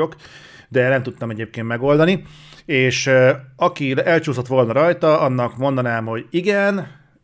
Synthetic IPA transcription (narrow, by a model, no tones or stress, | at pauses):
ok | d̪ɛnɛmt̪ut̪ːɒmɛɟeːp̚keːnt̪mɛɡo̞ld̪ɒni | eːʃɒkiɛlt͡ʃuːso̞t̪ʋo̞lnɒɾɒjt̪ɒɒnːɒkmo̞nd̪ɒnaːmɦo̞ɟiɡɛn